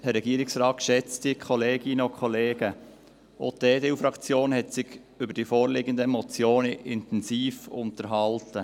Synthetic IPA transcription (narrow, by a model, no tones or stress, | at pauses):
hɛɾːɛɡiːəɾɪksrɑːt̚kʃɛt͡stikʰɔleːɡɪnəokʰχɔleːɡ̥ə | ʔo̰teːdeufɾɑkt͡sjoːnɦɛtsɪɡ | ʏbəɾd̥ifoːɾlɪɡəndəemɔt͡sjoːnəʔɪntɛnsiːfʊntəɾɦɑltə